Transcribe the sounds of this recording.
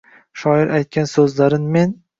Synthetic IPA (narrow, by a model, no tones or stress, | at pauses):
ʃɒɪɾʔajt̪̚kʲʰansɵzlaɾɪnme̞n